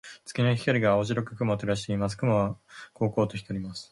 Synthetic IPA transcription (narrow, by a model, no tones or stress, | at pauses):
t͡sɨ̥kʲinaçʲi̥kaɾʲiɡaoʑiɾokɯ̟kɯ̟mot̪eɾaɕi̥t̪e̞imas̬ɨ̥kɯ̟moβako̞ːko̞ːt̪o̞çit̪oɾʲimasɨ̥